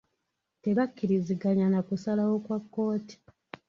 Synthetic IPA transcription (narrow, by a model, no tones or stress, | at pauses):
te̞βakːiɾiziɡaɲanakusalawo̞kwakːo̞ːti̥